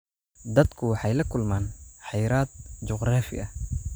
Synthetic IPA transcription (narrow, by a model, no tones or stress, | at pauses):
d̪ɐd̪kʰʊwɑħɑjlɐkʰʊlmaːnħɑjɾaːd̪̚t͡ʃʊqraːfɪ̰ʔɐ